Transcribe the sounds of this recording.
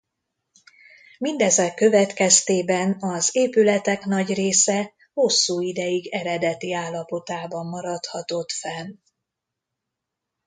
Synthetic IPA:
mind̪ɛzɛkːø̞vɛt̪kɛst̪eːbɛnɒzeːpylɛt̪ɛkn̪ɒɟreːsɛ | ho̞sːuːid̪ɛjiɡɛɾɛd̪ɛt̪iaːlːɒpo̞t̪aːbɒmːɒɾɒt̪hɒt̪o̞t̪fɛn

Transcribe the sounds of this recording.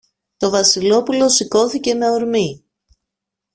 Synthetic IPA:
t̪o̞vɐsilo̞pulo̞siko̞θice̞me̞oɾmi

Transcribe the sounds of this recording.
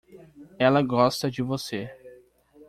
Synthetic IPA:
ɛlɐɡɔst̪ɐd͡ʒɪvose

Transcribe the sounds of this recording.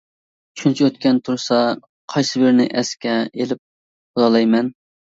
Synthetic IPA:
t͡ʃʰynt͡ʃʰiøt̪kʲɛnt̪ʰuɾsɑ | qʰɑjsɨbeɾnɪʔɛskʲɛelɪp̚ | bulˠɑlˠɑjmɛn

